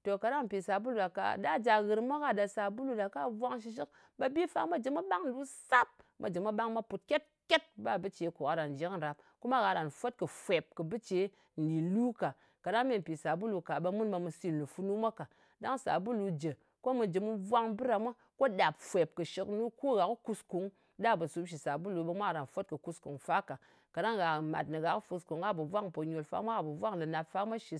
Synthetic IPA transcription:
to˨ka˨da˦ŋm̩˨pi˨sa˨bu˦lu˨da˨ka̰˨da˦d͡ʒa˨ɣɨ˨ɾmʷa˦ka˦da˨sa˨bu˦lu˨da˨ka˦vʷa˦ŋʃ̬i˦˧ʃ̬i˦k | ba˦bi˦fa̰˨ma˦d͡ʒə˨mu˦ɓa˦ŋ˨lu˦sa˦p̚mʔa̰˨d͡ʒe˨ma˦ɓa˦ŋmʷa˦pu˨t̚kʲe˦t̚kʲe˦t̚ba˦bɨ˦t͡ʃe˨˦ku˨a˦ɾa˨n˨d͡ʒe˨˦kn̩˨ɾa˨p̚ | ku˦ma˦ɣa˨ɾa˨n˨fo˦t̚kɨ˨fʷe˨p̚kɨ˨bɨ˦t͡ʃe˨˦ | n̩˨di˨lu˦ka˨ | ka˨ɗa˦ŋme˦˨m̩˨pi˨sa˨bu˦lu˧ka˨ɓe˧mu˦nba˧mɨ˧si˦n˨lu˨fu˧nu˦mʷa˦ka˨ | da˦ŋsa̰˨bu˦lu˧d͡ʒe˨ | ko˦mɨ˧d͡ʒe˨mɨ˧vʷa˦ŋbɨ˦ɾa˨mʷa˦ | ko˦da˨pfʷe˨p̚kɨ˨ʃi˧knu˦ko˦ɣa˨kɨ˦ku˧sku˨˦ŋ | da˦bɨ˨su˦bʃ̬i˨sa˨bu˦lu˧ɓe˧mʷ˦a˦˨ɾa˨nfo˦t̚kɨ˨ku˧sku˨ŋfa˦ka˨ | ka˨ɗa˦ŋɣa˨ma̰˨tnɨ˨ɣa˨kfu˧sku˨ŋɡa˦bɨ˨vʷa˦ŋpo˨ɲo˨lfa̰˦mʷa˦ɣa˨bɨ˨vʷa˦ŋlɨ˨na˨pfa˦mʷa˦ʃi˨˧s

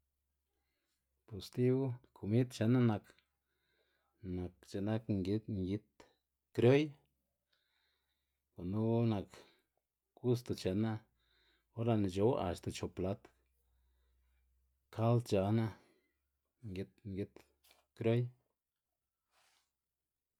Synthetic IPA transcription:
pu˨st̪i˦wkʰu˨mi˦t̪t͡ʃe˧˨na˦na˧k | na˨kt͡ʃa˧˨na˦kŋɡi˦t̪ŋɡi˦t̪ | kɾo˦j | ko˨nu˦na˨k | ɡu˦s̬t̪o˨t͡ʃe˨na˦ | o˦ɾa˧n˨d͡ʒo˧˦wa̰˨st̪a˨t͡ʃo˨pla˧˦t̪ | kʰa˦lt̪t͡ʃa˧na˦ | ŋɡi˧t̪ŋɡi˦t̪ | kɾo˦j

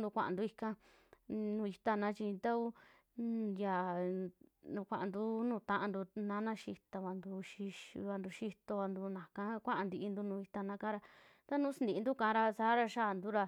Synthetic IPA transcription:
d̪u˧kʷa̰˧ʔa̰˨nd̪u˧i˧kã˧ | nũː˧i˧t̪a˧˨nã˨˦t͡ʃi˧t̪a˦u˦ | ja˨ | nũ˧kʷa˧˨ʔã˨nd̪u˦nũː˦˧˨t̪ã˧ʔã˧nd̪u˧nã˦nã˦ʃi˧t̪a˧βa˧nd̪u˧ʃi˧ʃβa˧nd̪u˧ʃi˧t̪o˧βa˧nd̪u˧nã˨kã˦kʷã˦ʔa˧nd̪i˧ʔi˧nd̪u˧nũː˧i˧t̪a˧nã˧˦˧kã˦ɾa˧ | t̪a˦nũː˦si˦nd̪i˧˨˧nd̪u˦kã˧˦ɾa˧saː˧˦ɾa˧ʃa˦˧˨nd̪u˦ɾa˧

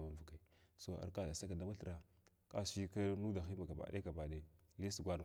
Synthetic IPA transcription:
ma˨və˨ka˨i˨so˨a̰˨ɾka˦da˨sa˦ka˨da˦ma˦ɬɾa˨ | ka̰˦si˦ka˦nu˦da˨xi˦ma˨ɡa˨ba̰˨dḛ˦a˨ba˨de˨li˦si˨ɡʷa˦n˨

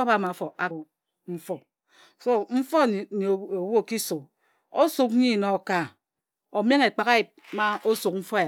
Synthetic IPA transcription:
ba˦˨ma˨fo˨a˦ | m̩˦fɔ˦ | so˦m̩˦fo˦˨n˨o˨wo˦˨ki˦su˨k̚ | o˦su˨k̚ɲi˦˨no˨ka˨ | o˨m˦e˦ŋe˨k͡pa˨ka˦ji˨p̚ma˦o˦su˨k̚m̩˦fɔ˦a˨

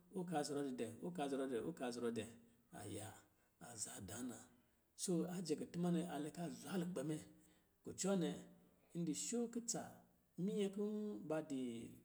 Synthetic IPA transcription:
o˦ka˧˨zi˨ɾo˨˧di˨dɛ˨o˦ka˧˨zɾo˧dɛ˨o̰˦ka˨zɾo˨dɛ˨ | a̰˨jaː˨ | za˨da˨˦na˨ | so˦a˨d͡ʒe˨ke˨tu˦ma˦nɛ˨ʔa˨le˨˧ka˦zʷa˦lu˨k͡pe˨mɛ˦ | ko˨t͡ʃɔ˦nɛ˨˦ | n̩˦di˨ʃo˦ki˦t͡sa̰˨˦ | mi˦je˦ku˦ba˧di˨

